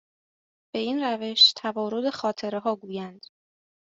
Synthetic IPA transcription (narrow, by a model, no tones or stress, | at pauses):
b̥e̞inræve̞ʃt̪ʰævɒːɾod̪e̞xɒːt̪ʰe̞ɾeɦɒːɡuːjænd̪̥